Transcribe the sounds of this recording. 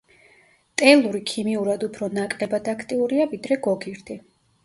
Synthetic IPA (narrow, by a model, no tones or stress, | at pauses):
t̪ʼɛlˠuɾikʰimiuɾad̪upʰɾɔnakʼlɛbad̪akʰt̪ʼiuɾiavid̪ɾɛɡɔɡiɾd̪ʰi